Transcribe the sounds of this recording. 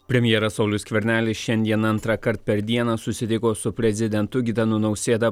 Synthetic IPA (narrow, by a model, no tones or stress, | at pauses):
pʲɾʲɛmʲjɛːɾɐsɐʊlʲʊsʲkʲʋʲɛɾʲnʲæːlʲɪsʃʲɛnʲd̪ʲiɛnɐnt̪ɾɑkɐɾt̪̚pʲɛɾd̪ʲiɛnɑsʊsʲɪt̪ʲɪkoːsʊpʲɾʲɛzʲɪd̪ʲɛnt̪ʊɡʲɪt̪ʲɐnʊnɒʊsʲeːd̪ɐ